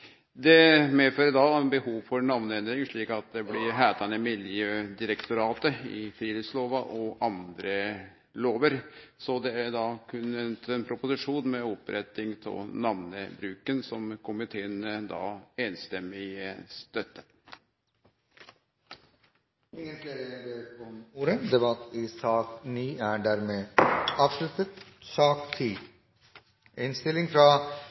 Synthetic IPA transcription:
d̪ɛmeːføːɾəd̪ɑnbəhuːʋfɔɾnɑʋnəɛnd̪ɾɪŋʂɭiːkɑt̪̚d̪ɛblɪɾɦæːt̪ɑnəmɪljøːd̪ɪɾəkt̪ʊɾɑːt̪əɪ̰fɾiːlɪsloːʋɑʔɔʔɑnd̪ɾə | loːʋəɾsɔd̪ɛæɖ̪ɑkʰʉnənt̪ɛnpʰɾʊpʊsɪʂuːnmɛɔpɾʔɛt̪ːɪŋt̪ʰɪ̰nɑʋnəbɾʉːkənsɔmkʰʊmɪt̪ʰeːnd̪ɑ̰ːeːnst̪ɛmɪəst̪œt̪ːə | ɪŋəntleɾəbeːɾɔmuːɾəd̪ɛbɑt̪ːɪsɑːkniːæɖæːɾmeːɑːʋʂlʉt̪ət̪sɑːkt̪ʰiː | ʔɛnst̪ɪlːɪŋfɾɑ

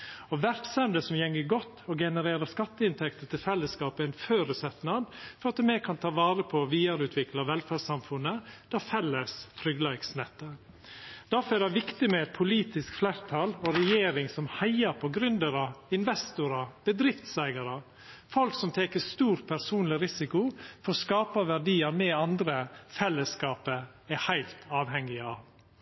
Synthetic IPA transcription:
ɔʋæɾksɛmd̪əsɔmjɛŋːəɡɔt̪ːɔɡɛnəɾeːɾəskɑt̪ːəɪnt̪ʰɛkt̪ət̪ʰɪlfɛlːəskɑːpəæɪnføːɾəsɛt̪nɑd̪fɔɾɑt̪mɛkʰɑnt̪ʰɑːʋɑːɾəpʰɔʋiːɑɾʉːt̪ʰʋɪklɑʋɛlfæɖsɑmfʉnːəd̪̥ɑfɛlːəst̪ʰɾʏɡlæɪɡsnɛt̪ːə | d̪̥æɾfɔɾɛɖɛʋɪkt̪ɪmɛɛt̪̚pʰʊliːt̪ɪskflæːɾt̪ʰɑlɔɾɛjeːɾɪŋsɔmhæɪɑɾpʰɔɡɾʏnd̪əɾɑɪnʋɛst̪ʊɾɑb̥əd̪ɾɪft̪sæɪɡɑɾɑ | fɔlksɔmt̪ʰeːkəst̪uːɾpʰæɾsuːnlɪɾɪsɪkʊfɔɾskɑːpɑʋæɾɖiːɑɾmɛɑnd̪ɾəfɛlːəskɑːpə | ɛhæɪlt̪ʰɑːʋhɛŋːɪɑʋ

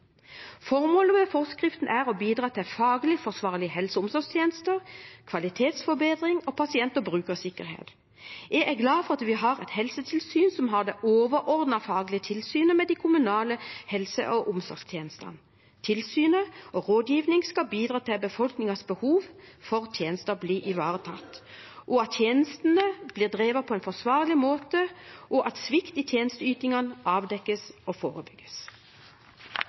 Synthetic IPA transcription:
fɔʁmoːləmɛfɔʁskʁɪft̪n̩ʔæʁɔbiːd̪ʁɑːt̪ʰɪfɑːɡlɪfɔsʋɑːʁlɪhɛlsəʊmsɔɡst̪ʰjeːnəst̪əʁkʰʋɑlɪt̪ʰeːt̪sfɔbeːd̪ʁɪŋɔpʰɑsɪɛnt̪ɔbʁʉːkəsɪkːəʁhḛːt̪ | æʔæɡlɑːfɔʁɑt̪ʋɪɦɑʁɛt̪hɛlsət̪ʰɪlsyːnsɔmɦɑʁd̪eʔoːʋəɾʔɔʁd̪nɑfɑːɡlɪət̪ʰɪlsyːnəmɛd̪ɪkʰʊmʉnɑːləhɛlsə̰ʔɔʔʊmsɔ̰ʁɡst̪ʰjeːnəst̪ɑ̰n | t̪ʰɪlsyːnəʔɔʁoːd̪jiːʋnɪŋskɑbiːd̪ʁɑːt̪ʰɪlbəfɔlknɪŋɑsbəhuːʋfɔʁt̪ʰjeːnəst̪əbliːɪʋɑːʁət̪ʰɑt̪ː | ʔɔɑt̪ːʰjeːnəst̪n̩əb̥liːʁd̪ʁeːʋɑpʰɔɛnfɔsʋɑːʁlɪmoːt̪əʔɔʔɑt̪sʋɪkt̪it̪ʰjeːnəst̪əyːt̪ɪŋɑnʔɑːʋd̪ɛkːəsɔfoːʁəbʏɡ̥ːəs

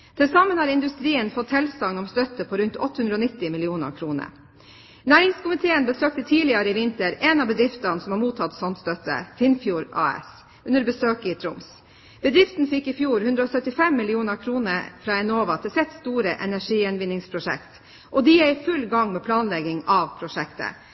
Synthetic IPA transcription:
t̪ʰɪlsɑmːənhɑːɾɪnd̪ʉst̪ɾiːənfɔt̪hɛlst̪ɑŋnɔmst̪œt̪ːəpʰoːɾʉnt̪ʰɔ̰t̪ːəhʉnd̪ɾəɔnɪt̪ːɪmɪlɪuːnə̰ɾkʰɾuːnə̰ɾ | næːɾɪŋskʰʊmɪt̪ʰeːənbəsøːk̚t̪ət̪ʰiːlɪɑɾəɪʋɪnt̪əɾɛnɑbəd̪ɾɪft̪ɑnəsɔmhɑɾmuːt̪ʰɑt̪sɔnt̪st̪œt̪ə̰fɪnfjuːɾɑ̰ːɛ̰s | ʉnəɾbəsøːkɪt̪ʰɾʊms | b̥əd̪ɾɪft̪nfɪkːɪfjuːɾhʉnd̪ɾəɔːsœt̪ɪfɛmːɪlɪuːnəɾkʰɾuːnəɾfɾɑːɛnoːʋɑt̪ʰɪlsɛt̪st̪uːɾəʔɛnæʂiːjɛnʋɪnːɪŋspʰɾʊʂɛ̰kt̪ | ʔɔd̪ɪjɛɪfʉlɡɑŋmɛːpʰlɑːnlɛɡɪŋɑʋpʰɾʊʂɛkt̪ə̰

